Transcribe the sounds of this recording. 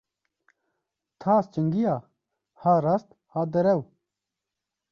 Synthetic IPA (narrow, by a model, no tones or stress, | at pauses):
t̪ʰaːst͡ɕɐŋɡija | haɾɐst̪ | haːd̪ɐɾew